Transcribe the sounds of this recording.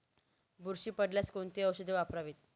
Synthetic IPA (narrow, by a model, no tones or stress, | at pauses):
buɾɕiːpəɽljat͡skoɳt̪iəwɕəd̪eʋapɾaʋit̪̚